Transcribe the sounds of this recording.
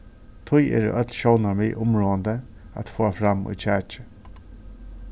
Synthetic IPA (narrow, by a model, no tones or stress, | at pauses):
t̪ʰʊjɛ̰ːɾə̰ʔœt̪lʃownaɹmɪʔʊmɹoːand̪ə | a̰t̪foːafɾamṵt͡ɕʰæːt͡ʃə̥